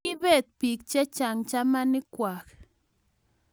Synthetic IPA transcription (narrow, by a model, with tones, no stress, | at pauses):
i˦βɛ˦˨t̪̚pi˨k̚t͡ʃɛ˦t͡ʃa˨ŋt͡ʃa˦ma˦ni˦kʷa˨k